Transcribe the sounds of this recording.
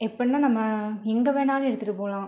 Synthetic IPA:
ɛpːɐnːaːnɐmːɐɛŋɡɐʋeːnaːlɛɽɯt̪ːɯʈːɯpoːlãː

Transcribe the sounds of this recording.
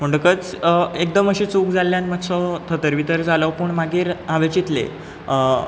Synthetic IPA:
m̤əɳɖkət͡sek̚d̪əməɕit͡suːkd͡zalːjanmət̪sɔt̪ʰət̪əɾʋit̪əɾd͡zaləʋpuɳmaɡiːɾaʋət͡ɕit̪lḛ

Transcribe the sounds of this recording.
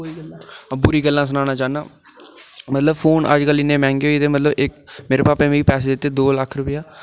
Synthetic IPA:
bʊɾiːɡəlːãːs̬ənãːnaːt͡ʃaːna̰ː | mət̪ləbpʰoːnə̰d͡ʒkəlɪnːẽːmɛ̃ːŋɡeːoit̪eːmət̪ləbɪkmeːɾeːpaːpeːmĩːipɛːs̬eːd̪ɪt̪ːeːd̪oːləkʰɾʊpɪjaː

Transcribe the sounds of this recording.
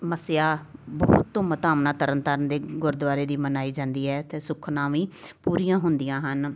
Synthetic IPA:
məsɪjaːbəːʊt̪ːõːmət̪aːmnaːt̪əɾənt̪əɾənd̪eːɡʊɾd̪ʋaːɾeːd̪iːmənaːiːd͡ʒãːnd̪iːɦɛːt̪eːsʊkʰnãːʋĩːpuːɾijãːɦʊnd̪ijãːɦən

